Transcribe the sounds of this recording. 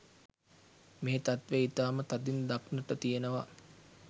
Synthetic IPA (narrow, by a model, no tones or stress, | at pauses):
meːt̪at̪ʋeit̪aːmət̪ad̪ind̪aknəʈət̪ijenəʋa̰